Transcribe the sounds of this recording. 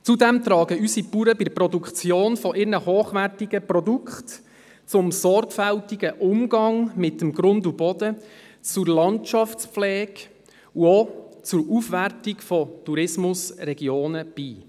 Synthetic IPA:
t͡sudɛmt̪ɾɑːɡəysipuɾəbɪdəprɔdukχt͡sjoːnfɔʔɪɾnəhoːχʋærtɪɡəprɔdukχt̪ | t͡sʊmsɔɾkfæltiɡəʔʊmɡɑŋmɪtəmɡ̥ɾʊndubɔd̥̪ə | t͡sʊrlɑntt͡ʃɑft͡spflɛːɡ | uot͡sʊɾufʋærtɪkfɔtuɾɪsmʊsrɛɡ̥joːnəb̥iː

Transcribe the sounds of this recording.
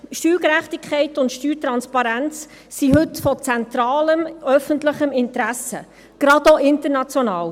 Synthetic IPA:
ʃtyːɡəɾæχtikʰχɛɪtʊntʃtyːt̪ɾɑnspɑɾænt͡s | siɦɵtfɔt͡sɛnt̪ɾɑːləmœfəntləχəmɪntɾæsə̰ | ɡ̥ɾɑdoʔɪntəɾnɑt͡sjonɑːl

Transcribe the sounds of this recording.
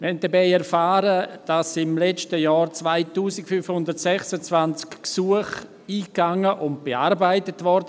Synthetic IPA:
mɪhɛnt̚dɛbaɪɛɾfaːɾəd̥asɪmlɛt͡ʃtəjɔːɾt͡svaɪtuːsikfyfhʊndəɾtsɛxsət͡svant͡skksuəχ | iːkːaŋəʔʊnt̚b̥eaɾbaɪtətvɔɾd

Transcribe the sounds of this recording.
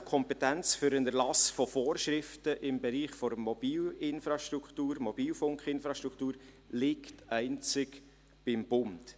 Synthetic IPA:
kʰɔmpɛtɛnt͡sfʏɾənæɾlɑsfɔfoːɾʃɾɪftəʔɪmbɛɾiːχfɔɾmɔb̥iːlɪnfɾɑʃtɾukχtuːɾmɔb̥iːlfʊŋkχɪnfɾɑʃtɾuktuːɾ | lɪktæɪnt͡sɪk | b̥ɪmbʊnd

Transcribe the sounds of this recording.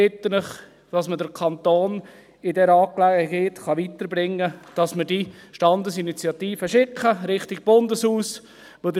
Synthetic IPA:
ɪt̪ːələχ | tɑsmədəɾkʰɑnt̪oːn | ɪdɛɾɑːklæɡəɡeːtχɑʋit̪əɾbɾɪŋːəd̥ɑsməɾdiʃtɑndəsinit͡sjɑt̪iːfəʃɪkχəɾɪχtiɡ̚b̥ʊndəshuːs | ʋodə

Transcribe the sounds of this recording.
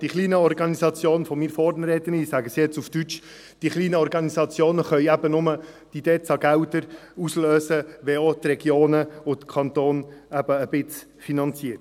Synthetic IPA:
d̥iχliːnəɔɾɡɑnisɑt͡sjoːnfɔmiːɾfɔːɾnəɾɛːt̪ənisæɡəsijɛt͡suftyt͡ʃ | d̥iχliːnəɔɾɡɑnisɑt͡sjoːnəχœʏæb̥ənʊmə | d̥id̥ɛːt͡sɑɡ̥æwt̪əɾusløːsəʋɛot̪rɛɡ̥joːnəʊt̪kʰɑnt̪oːnæb̥əːb̥ɪt͡s | finɑnt͡siət

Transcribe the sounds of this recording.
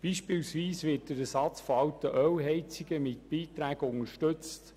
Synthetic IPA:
b̥iːʃpɪːlsʋiːsvɪːt̚d̥əɾæsɑt͡sfoɑwtəʔœwɦɛɪt͡siɡəmɪtb̥iːt̪ɾæːɡ̥əʊŋəɾʃtɵt͡stt̪

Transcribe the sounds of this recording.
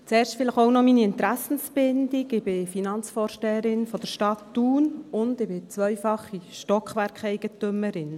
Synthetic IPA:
t͡sɛːɾʃtfɪləχoʊnɔminiɪnt̪ɾæsn̩sb̥ɪnd̥̪iɡɪb̥ɪfinɑnt͡sfɔːɾʃtɛːəɾɪnfɔd̥̪əɾʃtɑt̪ːuːnʊnd̪ɪbɪt͡sʋœjfɑχiʃtɔkχʋæɾkχɛjɡ̥ət̪ʏməɾɪn

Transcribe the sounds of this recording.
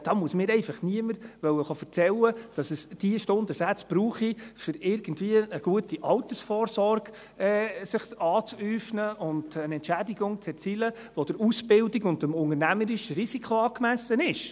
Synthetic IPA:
d̥ɑːmuəsmɪːɾɛɪfɑχniəməɾʋœwəχɑfəɾt͡sɛləd̥ɑsəsd̥iəʃtʊndəsæt͡sb̥ɾuːχifʏɾɪɾɡ̥ən̩dviəəɡ̥uətiʔɑwt̪əsfɔːrsɔrɡ̥ | ɛːsɪχɑːt͡syːfnəʔʊndənɛntt͡ʃædiɡʊŋt͡sɛɾt͡silə | ʋod̥əɾusbɪldiɡʊndəmʊŋənæməɾɪʃɾisikʰoɑːkmæsənɪʃ

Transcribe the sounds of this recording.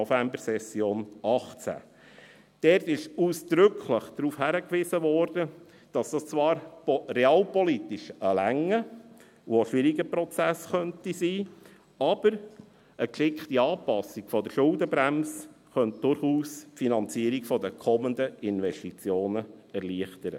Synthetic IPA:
fæmbəɾsɛsjoːnɑχt͡sæ̰ | d̥ɛɾtɪʃuːsd̪̥ɾʏkʰχləχd̥ɾuːfhæɾəkʋɪsəʋɔːɾd̥ə | d̥ɑsd̥ɑst͡sʋɑːɾrɛɑːlpɔlitɪʃəlæŋːə | woʃʋɪɾiɡəpɾɔt͡sæsχœntisiː | ɑb̥əɾ | ʔəkʃɪkχtiɑːpɑsikfɔdəʃʊldəbɾæms | χœnt̚d̥ʊɾχuːsfinɑnt͡siːəɾiɡfɔdəkʰɔmənd̪əʔɪnʋɛstit͡sjoːnəɛɾliəχtəɾə̰

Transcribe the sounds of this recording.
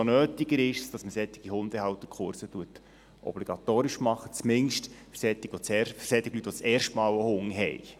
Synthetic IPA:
onøːtiɡəɾɪʃsd̥ɑsməsɛt̪ːɪ̥ɡ̥ihʊnd̪əhɑwt̪ːəɾkʰχʊɾsətuət | ʔɔ̰b̥liɡ̥ɑt̪oːɾɪʃmɑχːə̥t͡smɪnʃtfɾsɛt̪ːɪɡ̥ʋɔt͡sɛfsɛt̪ːɪɡ̥lytːʋɔt͡sɛːrʃtmɑːləhʊŋɦɛ̰j

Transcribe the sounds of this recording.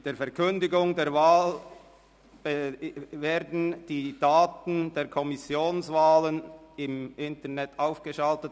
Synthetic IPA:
d̥eːɐfɛɐkʰʏndɪɡʊŋdeːɐʁvaːl | veːɾdn̩d̥iːd̥aːtn̩d̥eːɐʁkʰɔmɪsjoːnsvaːlənɪmʔɪntənɛtaʊfɡ̥əʃaltət

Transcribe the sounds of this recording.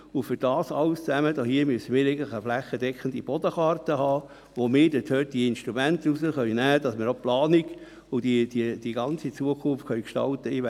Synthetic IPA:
ʊfyɾd̥ɑːsɑlst͡sæməd̪ɔɦiəmyəsəmiːɾeɪɡəntlɪχəflæχːədɛkʰəndib̥ɔd̥̪əχɑrtəhɑː | ʋomɪːɾd̥ɪthøt̚d̥iɪnʃtɾumæntusəχœʏnæːd̥ɑsmɪːɾoplɑːniɡ | ʊd̥id̥id̥iɡɑnt͡sit͡suəkʰʊnftkœɥkʃtɑ̰lt̪əiʋ

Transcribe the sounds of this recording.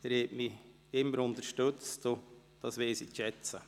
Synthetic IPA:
ɛɾhɛtmi | ɪmːəɾʊnt̪əɾʃtøt͡sto | d̥ɑsʋeːsiʃɛt͡sə

